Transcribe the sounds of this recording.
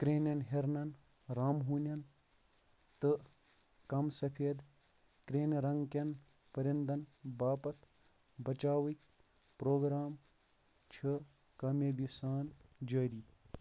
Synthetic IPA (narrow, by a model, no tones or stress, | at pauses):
kɾeːnɐnɦeɾnɐn | ɾaːmɦuːnʲɐn | t̪ɨ | kɐmsɐpʰeːd̪ | kɾeːnɾɐŋɡkɐn | pɐɾʲɐnd̪ɐnbaːpɐt̪ | bɐt͡ʃaːwik | pɾoːɡɾaːm | t͡ʃʰɐ | kɐmebisaːnd͡ʒɐːɾiː